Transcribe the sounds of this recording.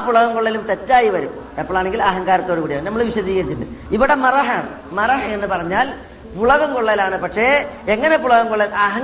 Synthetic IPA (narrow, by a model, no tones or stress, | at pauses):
puɭɐɣɐmkoɭːɐlumt̪e̞tːaːjiʋɐɾumɐpːoɭaːɳe̞ŋɡilɐɦɐŋkaːɾɐt̪ːoɾukuːɽijaːɳnɐmːɐɭʋiɕɐðiːɣɐɾit͡ɕːuɳɖɨ̰iʋiɽe̞mɐrɐɦaːɳɨ̰ | mɐrɐɦɐenːɨpɐrɐɲːaːl | puɭɐɣɐmkoɭːɐlaːɳɨpɐkʂe̞eŋːɐne̞puɭɐɣɐmkoɭːɐlɐɦɐŋ